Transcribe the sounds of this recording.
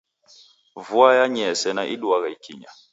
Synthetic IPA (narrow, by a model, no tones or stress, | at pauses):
vuajaɲɛsɛnaʔiɗuaɣaikʰḭɲa